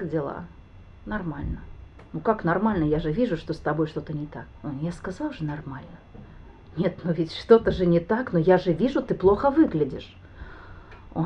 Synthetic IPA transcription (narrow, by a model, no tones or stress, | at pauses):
dʲɪlˠa̰ | nɐrmalʲnə | nukaknɐrmalʲnəjaʐɨvʲiʐʊʂt̪o̞st̪ɐbo̞jʂt̪o̞t̪ənʲɪt̪akojaskɐzɑlˠʐɨnɐrmalʲnə | nʲet̪nuvʲɪtʲʂt̪o̞t̪əʐɨnʲɪt̪aknojaʐɨvʲiʐʊt̪ɨplˠoxəvɨɡlʲɪdʲɪ̰ʂ | o